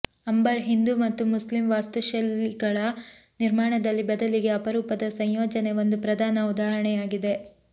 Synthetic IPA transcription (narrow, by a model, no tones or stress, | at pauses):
ɐmbɐɾɦind̪umɐt̪ːumuslimʋaːst̪uʃɐlːiɡɐɭɐniɾmaːɳɐd̪ɐlːibɐd̪ɐliɡe̞ɐpɐɾuːpɐd̪ɐsɐjjoːd͡ʒɐne̞ʋo̞nd̪upɾɐd̪ʱaːnɐud̪aːɾɐɳɛjaːɡid̪e̞